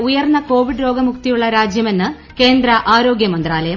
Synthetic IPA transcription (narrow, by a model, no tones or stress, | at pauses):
ujɐrnːɐko̞ːʋiɖɾo̞ːɡɐmukt̪ijuɭːɐɾaːd͡ʑjɐme̞nːɨ | ke̞ːnd̪ɾɐʔaːɾo̞ːɡjɐmɐnd̪raːlɐjɐm